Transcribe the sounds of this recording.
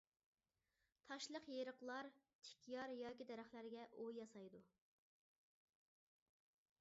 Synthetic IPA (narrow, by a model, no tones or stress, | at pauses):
t̪ʰɑʃlˠəqjeɾəqlˠɑɾt̪ʰɪ̥kʲʰjɑɾjɑːkʲid̪ɛɾæχlæɾɡʲɛʔojjɑsɑjd̪u